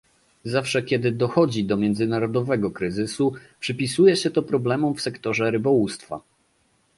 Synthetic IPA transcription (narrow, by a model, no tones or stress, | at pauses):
zafʂɛkʲɛd̪ɘd̪ɔxɔd͡ʑid̪ɔmʲjɛnd̪zɘnaɾɔd̪ɔvɛɡɔkɾɘzɘsupʂɘpʲisujɛɕɛt̪ɔpɾɔblɛmumfsɛkt̪ɔʐɛɾɘbɔwust̪fa̰